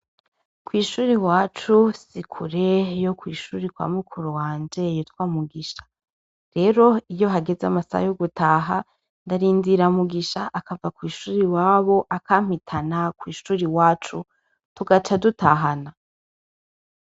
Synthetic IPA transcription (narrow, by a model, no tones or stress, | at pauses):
kwiːʃuːɾiwaːt͡ʃusikʰuɾe̞jokwiːʃuːɾikwa̰ːmukʰuɾowaːnd͡ʒe̞jotwaːmuɡiʃḁ | ɾe̞ːɾo̞ijo̞ɦaɡe̞zea̰masa̰ha̰joɡutaɦa | ndaɾiːndiɾamuɡiʃaʔːkavakwiːʃuːɾiwaːβo̞ʔakaːm̥hitʰanakwiːʃuːɾiwaːt͡ʃu | tuɡat͡ʃadutaɦana